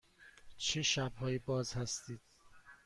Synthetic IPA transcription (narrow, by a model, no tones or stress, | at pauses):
t͡ʃʰeʃæbhɒːjibɒːzhæst̪iːd̪̥̚